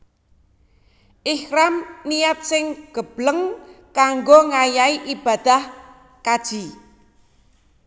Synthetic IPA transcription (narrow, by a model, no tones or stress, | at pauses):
ʔɪhɾamnijat̪̚sɪŋɡ̥ə̤b̥ləŋkaŋɡoŋajaiʔib̥a̤d̪̥a̤h | kad̥ʒ̥i